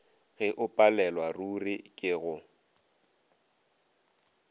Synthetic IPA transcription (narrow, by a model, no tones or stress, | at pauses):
ɣɛʔʊpʼalɛlwarurɪkʼɪɣʊ